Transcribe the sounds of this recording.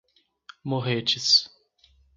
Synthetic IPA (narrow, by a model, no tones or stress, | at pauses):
moɦet͡ʃɪs